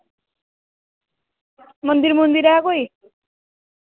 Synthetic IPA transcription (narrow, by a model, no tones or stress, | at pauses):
mʌnd̪irmʌnd̪iɾaakoj